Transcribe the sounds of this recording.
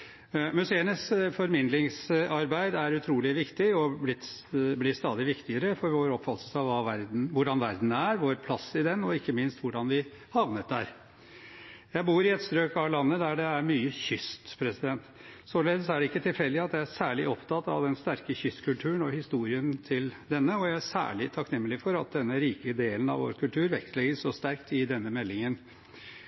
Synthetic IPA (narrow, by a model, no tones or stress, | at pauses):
mʉseːənəsfɔɾmɪnd̪lɪŋsɑɾbæɪd̪æɾʉt̪ʰɾuːlɪʋɪkt̪ɪɔblɪt̪ːblɪst̪ɑːd̪ɪʋɪkt̪ɪəɾəfɔɾʋoːɾɔpfɑt̪əl̩sɑʋʋɑːʋæɾd̪n̩ʋʊɖɑnʋæɾd̪n̩æɾʋoːɾpʰlɑsɪd̪ɛnːɔɪkːəmɪnst̪ʋʊɖɑnʋɪ | hɑʋnət̪̚d̪æɾ | jæɪbuːɾɪɛt̪st̪ɾøːkɑlɑnːəd̪æɖɛæɾmyːəçʏst̪pʰɾɛsɪd̪ɛnt̪soːleːd̪əs̬ɔæɖɛɪkːət̪ʰɪlfɛld̪ɪɑt̪jæɪæsæːɭɪʔɔpt̪ʰɑt̪ːɑ̰ʋd̪ɛnst̪æɾkəçʏst̪kʰʉlt̪ʰʉːənɔhɪst̪uːɾɪənt̪ʰɪld̪ɛnːəɔjæɪæsæ̰ːɭɪt̪ʰɑknɛmːəlɪfɔɾɑt̪̚d̪ɛnːəɾiːkəd̪eːlənɑ̰ʋo̰ːɾkʰʉlt̪ʰʉːɾʋɛkslɛɡəsʂɔst̪æɾkt̪ɪd̪ɛnːəmɛlːɪŋən